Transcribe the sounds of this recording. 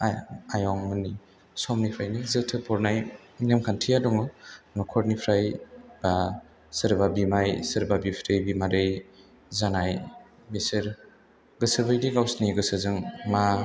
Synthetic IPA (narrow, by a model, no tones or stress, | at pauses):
ajɔŋmɯni | sɔmnipʰɾajnizɯtʰɯpʰɔɾnaj | iŋnemkʰantʰijadɔŋɯnɔkʰɔɾnipʰɾajb̥a | sɯɾbabimajsɯɾbabipʰɾɯjbimaɾɯj | zanaj | misɯɾ | ɡɯsɯbɯjdiɡawsniɡɯsɯzɯŋma